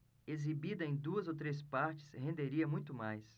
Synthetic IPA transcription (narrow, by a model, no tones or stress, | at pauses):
ezibid̪ɐẽj̃d̪uɐzowt̪ɾespaɾt͡ʃɪ̥shẽnd̪eɾiɐmũj̃t̪ʊmajs